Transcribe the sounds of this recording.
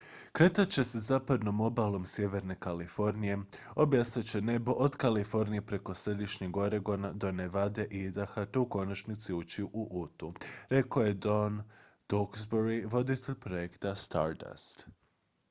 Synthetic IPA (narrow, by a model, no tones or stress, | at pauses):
kɾe̞t̪at͡ɕe̞sezaːpad̪no̞mo̞balˠo̞msje̞ʋe̞ɾne̞kalifo̞ɾnije̞ | o̞bjasnat͡ɕe̞ne̞boʔod̪kalifo̞ɾnije̞pɾe̞ko̞sɾe̞d̪iʃɲeɡo̞ɾeɡo̞nad̪o̞neʋad̪e̞ʔiid̪axat̪euko̞nat͡ʃnit̪siut͡ʃiuʔuʔut̪uɾe̞koje̞d̪o̞n | d̪̥oksboɾiʋo̞d̪it̪eʎʲpɾo̞jekt̪ast̪a̰ɾd̪a̰st̪